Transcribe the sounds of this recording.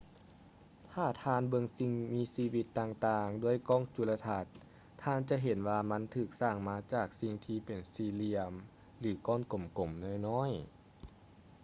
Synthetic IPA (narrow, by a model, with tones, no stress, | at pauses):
t̪ʰaː˧˩t̪ʰaː˧˨nbɤ˧ŋsi˧ŋmiː˧˥siː˧wi˧˦t̪ːaː˧˩ŋt̪aː˧˩ŋdu˧˩əjkɔː˧˥˨ŋt͡ɕu˧˩la˧t̪ʰa˧t̪̚ʰː | aː˧˥nt͡ɕa˧˦ɦe˨˩˦nwaː˧ma˧˥nt̪ʰɯː˧˩k̚saː˧˩ŋmaː˧˥t͡ɕaː˧˩k̚si˧ŋt̪ʰiː˧pe˨˩nsiː˧li˧əm | lɯː˩˦kɔː˧˥˨nko˨˩mko˨˩˦mnɔː˧˥˩jnɔː˧˥˨j